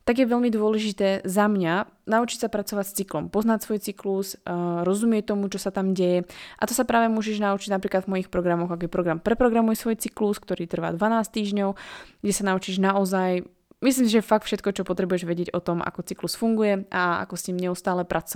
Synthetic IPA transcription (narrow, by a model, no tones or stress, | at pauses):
t̪aɡjɛʋɛʎmid̪ʊɔlɛʒit̪ɛːzamɲanaut͡ʃicsapɾat͡sɔʋacst͡siklɔmpɔznacsʋɔjt͡siklusɾɔzumɪɛct̪ɔmut͡ʃɔsat̪amɟɛjɛʔat̪ɔsapɾaːʋɛmʊɔːʒɛʒnaut͡ʃiɟnapɾiːklad̪vmɔjixpɾɔɡɾamɔɣakjɛpɾɔɡɾampɾɛpɾɔɡɾamujɛsʋɔjt͡sikluskt̪ɔɾiːt̪r̩ʋa̰ːd̪ʋanaːst̪iːʒɲɔʊɡɟɛsanaut͡ʃiʒnaɔzaj | mis̬liːms̬iʒɛɛfak̚t̪fʃɛt̪̚kɔt͡ʃɔpɔt̪ɾɛbujɛʒʋɛɟɛɟɔt̪ɔmʔa̰kɔt͡siklusfuŋɡujɛʔaa̰kɔsɲimɲɛust̪aːlɛpɾʔat͡sɔ